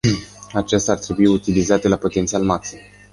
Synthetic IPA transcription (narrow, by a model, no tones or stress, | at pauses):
at͡ʃest̪aart̪ɾe̞buiut̪ilizat̪e̞lapo̞t̪e̞nt̪sialmaksi